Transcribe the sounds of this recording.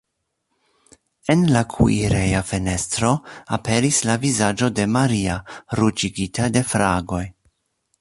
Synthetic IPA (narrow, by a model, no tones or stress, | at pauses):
e̞nlakʰṵiɾejafe̞ne̞stɾo̞ape̞ɾislavizad͡ʒo̞de̞maɾiaɾut͡ʃiɡitʰade̞fɾaɡo̞j